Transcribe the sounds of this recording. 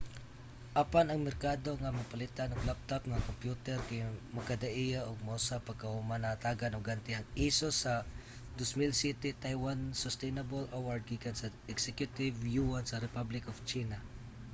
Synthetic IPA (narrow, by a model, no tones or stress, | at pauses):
ʔapanɐŋmɛɾkaːd̪oŋamapalɪt̪anʊɡlap̚t̪apŋakompjut̪ɛɾkajmakad̪aʔijaʔʊɡ̚mousapaɡ̚kahumanaat̪aɡanʊɡant̪ɪhaŋisosa | d̪osmilsjɛt̪ɛt̪ajwansʊst̪ɛjnabolʔawaɹd̪̚ɡiːkansaɛksɛkjʊt̪ɪvjuansaɾɪpablɪkoft͡ʃiːna